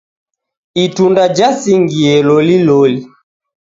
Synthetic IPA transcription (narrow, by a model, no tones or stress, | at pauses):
itundad͡ʒasiŋɡiɛlɔlilɔli